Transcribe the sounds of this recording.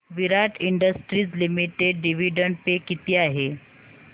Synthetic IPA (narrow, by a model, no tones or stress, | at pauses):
ʋiɾaʈiɳɖəsʈɾiːt͡slimiʈeɖːiʋiɖəɳɖpekit̪iːaɦe